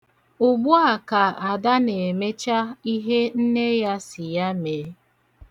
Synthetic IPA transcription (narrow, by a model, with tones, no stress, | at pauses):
ʊ˨ɡ͡bʊ˦a˨ka˨a˨da˦ne˨me˦t͡ʃa˦i˦ɦe˦n̩˦ne˦ja˦sɪ˨ja˦meː˨˦